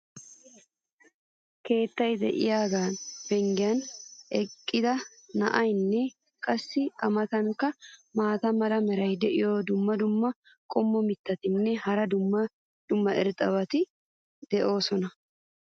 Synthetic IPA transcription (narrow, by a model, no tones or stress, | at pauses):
ke̞ːt̪ːɐjd̪ɛ̰ʔɪjaːɡaːnfɛŋɡɪjɐnɛkʼːɪd̪ɐnɐʔɐjnːɛ | kʼɐsːɪɐmɐt̪ɐŋkːɐmaːt̪ɐmɐlɐmɛɾɐjd̪ɛʔɪjoːd̪ʊmːɐd̪ʊmːɐ | kʼɔmːɔmɪt̪ːɐt̪ɪnːɛhɐɾɐd̪ʊmːɐ | d̪̥ʊmːɐʔɛ̰ɾt̪ʼɐbɐt̪ɪ | d̪̥ɛʔo̞ːsɔnɐ